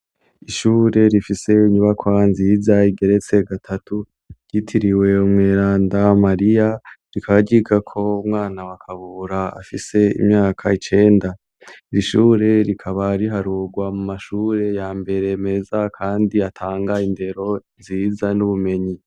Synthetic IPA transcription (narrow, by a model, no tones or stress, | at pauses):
iʃuːɾe̞ɾifise̞iɲuβakwanziːzaiɡe̞ɾe̞t͡se̞ɡatʰatu | ɾ̥ɟitʰiɾiwe̞umŋeːɾaːndamaɾijaɾikʰaβaɟiɡakʰo̞umŋaːnawakʰaβuɾaa̰fise̞ḭmɲaːkʰait͡ʃe̞ːnda | iɾiʃuːɾe̞ɾikʰaβaɾiɦaɾuɡwamumaʃuːɾe̞jaːmbe̞ɾe̞me̞zakʰaːndiatʰaːŋɡainde̞ɾo̞ | ziːzanuβume̞ɲi